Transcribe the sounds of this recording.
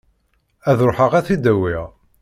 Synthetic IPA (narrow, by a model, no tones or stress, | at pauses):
æðɾoħəʁæθid̪æwiʁ